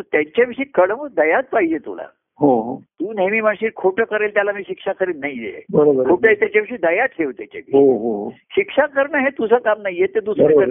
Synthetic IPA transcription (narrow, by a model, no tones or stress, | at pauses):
ət̪jaɲt͡ɕaʋiʂiːkəɽəməd̪əjat͡s̪̚paɦid͡ʑet̪ṵla̰ | ɦoɦot̪uːnemiːməɳɕiːɾkʰoʈəkəɾelt̪jalamiːɕikʂakʰəɾiːt̪naɦid̪ḛbəɾobəɾkʰoʈəɦet̪jat͡ɕjaʋiʂiːd̪əjat̪ʰɦeʋt̪jat͡ɕa̰ʋiɦoɦoɦoɕikʂakəɾɳəɦet̪usʰəːkamnaijet̪ed̪usɾəəɾ